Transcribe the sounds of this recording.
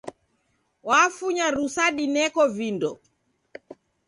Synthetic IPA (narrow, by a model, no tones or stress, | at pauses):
wafuɲaɾusaɗinɛkɔvindɔ